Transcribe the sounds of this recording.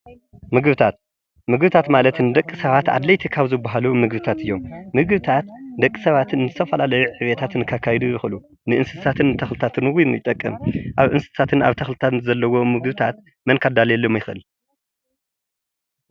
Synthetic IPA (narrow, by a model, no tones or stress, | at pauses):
mɨɡβɨt̪ʰat̪̚ | mɨɡbɨt̪ʰat̪malɐt̪ɨnɨd̪ɐkʼːisɐβat̪a̰d̪lɐjt̪ʰikʰaβzɨbːaɦalumɨɡβɨt̪ʰat̪ɨjːo̞mːɨɡβɨt̪ʰat̪d̪ɐkʼːɨ̥sɐβat̪ɨnɨzɨt̪ʰɐfɐlalɐjuʕɨβjet̪ʰat̪ɨnkʰakʰːajɛd̪ujɪxlu | nɨʔɨnsɨ̥sat̪ʰɨnːɨt̪ʰɐxlɨt̪ʰat̪ɨnɨwijmjɪt̪ʼːɐkʼːɐ̰mʔaβʔɨnsɨ̥sat̪ʰɨnaβt̪ʰɐxlɨt̪ʰat̪ɨnɨzɐlːɐwomɨɡbɨt̪ʰat̪ | mɐnkʰad̪aljɛlːomjɪxʔɨ̰l